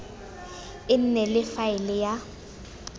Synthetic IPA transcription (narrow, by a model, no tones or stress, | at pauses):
ɪn̩nɛlɪfaɪlɪja